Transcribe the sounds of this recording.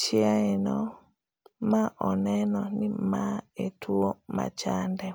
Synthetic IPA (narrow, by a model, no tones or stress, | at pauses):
t͡ʃiaɛnɔ | maʔɔnɛnɔnimaɛtʰuɔma̰t͡ʃandɛ